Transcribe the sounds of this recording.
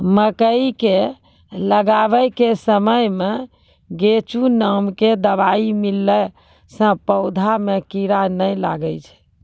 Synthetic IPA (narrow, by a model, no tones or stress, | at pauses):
məkəike | ləɡaβɛkesəməjme | ɡet͡ʃunamked̪əbaimilːɛ | sə̃pəʊd̪ʱamekiɾanəjla̰ɡəjt͡ʃʰɛ̥